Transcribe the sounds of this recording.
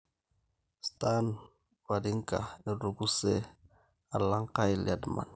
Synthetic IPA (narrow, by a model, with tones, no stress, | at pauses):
stan | wadi˦ŋka̰˨ni˨ɾu˨ɡu˦se˦ | a˨la˦ŋka˦jlia˨dma̰˨n